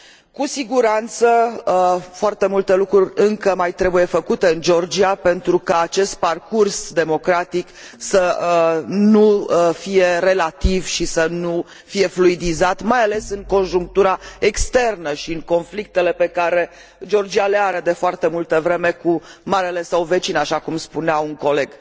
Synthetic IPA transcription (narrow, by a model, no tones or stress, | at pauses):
kusiɡuɾant̪sə | foart̪e̞mult̪e̞lukɾurʲɨŋkəmajt̪ɾe̞buje̞fəkut̪e̞ɨnd͡ʒo̞rd͡ʒiape̞nt̪ɾukaːt͡ʃe̞st̪̚parkursd̪e̞mo̞kɾat̪ik | sə | nufije̞re̞lat̪ivʃisənu | fije̞fluid̪izat̪majale̞sɨŋko̞nʒuŋk̚t̪uɾae̞kst̪e̞rnəʃiɨŋko̞nflik̚t̪e̞le̞pe̞kaɾe̞ | d͡ʒo̞rd͡ʒialeaɾed̪e̞foart̪e̞mult̪əvɾe̞me̞kumaɾele̞sawve̞t͡ʃinaʃakumspuneauŋko̞le̞ɡ